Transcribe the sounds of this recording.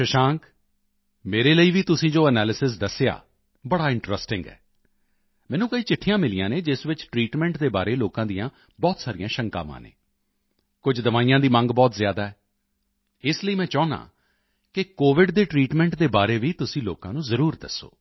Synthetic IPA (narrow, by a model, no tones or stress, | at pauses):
ʃəʃãːŋk | meːɾeːləiːʋiːt̪ʊsĩːd͡ʒoːənɛːlɪsɪs̬d̪əsːeja̰ː | bəɽaːɪ̃ɳʈɾəsʈɪ̃ŋɡɛ̰ː | mɛ̃ːnũːkəiːt͡ʃɪʈʰːijãːmɪlijã̰ːneːd͡ʒɪsʋɪt͡ʃʈɾiːʈmɛ̃ːɳʈd̪eːbaːɾeːloːkãːd̪ijãː | bɔːt̪saːɾijãːʃəŋka̰ːʋã̰ːnḛː | kʊd͡ʒd̪əʋaːijãːd̪iːmə̃ŋɡbɔːt̪zjaːd̪aːɛː | ɪsləiːmɛ̃ːt͡ʃɔːna̰ː | kɪkoːʋɪɖd̪eːʈɾiːʈmɛ̃ːɳʈd̪eːbaːɾeːʋiːt̪ʊsĩːloːkã̰ːnũːzəɾuːɾd̪əsːo̰ː